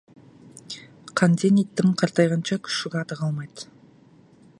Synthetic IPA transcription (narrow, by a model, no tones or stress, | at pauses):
qʰɑnd̪enit̪ːɪmqʰɑɾt̪ɑjʁɑnt͡ʃɑkʲʰʏ̥ʃɪɡʲɑt̪əʁɑlˠmɑjd̪